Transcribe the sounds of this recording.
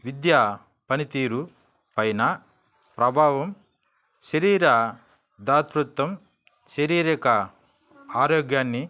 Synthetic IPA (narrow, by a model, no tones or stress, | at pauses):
ʋid̪jaː | pɐnit̪iːɾu | pɐjnɐ | pɾɐbʱaːʋɐm | ʃɐɾiːɾa | d̪aːt̪ɾut̪ːɐm | ʃɐɾiːɾɐkɐ | aːɾoːɡjaːnːi